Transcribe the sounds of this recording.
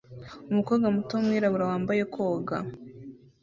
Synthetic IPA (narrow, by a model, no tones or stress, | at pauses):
umukoɡamutomŋiːɾaβuɾawaːmbaje̞kʰo̞ːɡa̰